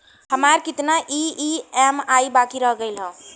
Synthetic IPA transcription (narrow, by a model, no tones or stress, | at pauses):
həmaɾkit̪naʔiiemaibakiɾəɦɡəɪlɦə̃